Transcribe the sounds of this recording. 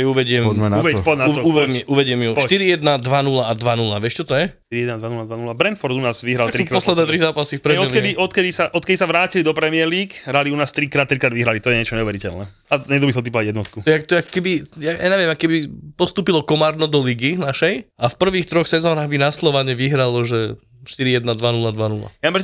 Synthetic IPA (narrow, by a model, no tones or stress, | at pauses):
juuʋɛɟɪɛmnpɔnuʋɛmʔuʋɛɟɪɛmjuʃt̪iɾijɛd̪nad̪ʋanulaad̪ʋanulaʋɪɛʃt͡ʃɔt̪ɔjɛt̪iɾiɛd̪nad̪ʋanulad̪ʋanulabɾɛnfɔɾd̪unaːzʋiɦɾalt̪ɾikɾpɔslɛd̪nɛːt̪ɾizaːpasifpɾɛɛɔkɛd̪iʔɔt̪kɛd̪isaʔɔt̪kɛd̪isaʋɾaːcilid̪ɔpɾɛmiɛɾliːkɦɾaliunaːst̪ɾikɾaːt̪ːɾikɾaːd̪ʋiɦɾalit̪ɔjɛɲɛt͡ʃɔɲɛuʋɛɾicɛ̰lnɛ̰ | aɲɛd̪bisɔt̪ipɔʋaɟjɛd̪nɔt̪kuɔjɛakt̪ɔjɛakɔ̥kɛbijajaɲɛʋɪjɛmakɔkɛbipɔst̪uːpilɔkɔmaːɾnɔd̪ɔliɡinaʃɛjafpr̩ʋiːxt̪ɾɔxsɛzɔnaːɣbinaslɔʋaɲɛʋiɦɾalɔʒɛ | ʃt̪iɾijɛd̪nad̪ʋanulad̪ʋanula̰jampɾɛ